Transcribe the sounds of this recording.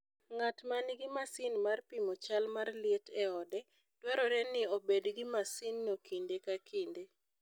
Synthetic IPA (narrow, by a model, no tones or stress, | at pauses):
ŋatmanɪɡɪmasɪnmarpimot͡ʃalmarlɪetɛɔdɛ | twaɾɔɾɛnɪobedɡimasɪnːokʰindekakʰinde